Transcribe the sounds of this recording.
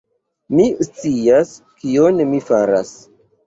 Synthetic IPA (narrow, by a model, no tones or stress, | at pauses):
mist͡sias | kionmifaɾa̰s